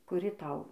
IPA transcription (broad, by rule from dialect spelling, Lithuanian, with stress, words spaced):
kʊˈrʲɪ ˈtɐʊ